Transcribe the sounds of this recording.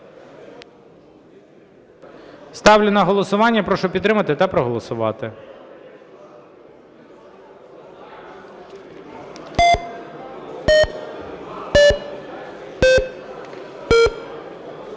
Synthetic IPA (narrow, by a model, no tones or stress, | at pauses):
st̪ɑwlʲʊnɐɦɔlˠɔsʊʋɑnʲːɐpɾɔʃɔpʲit̪ːɾɪmɐt̪ɪt̪ɐpɾɔɦɔlˠɔsʊʋɑ̰t̪ɪ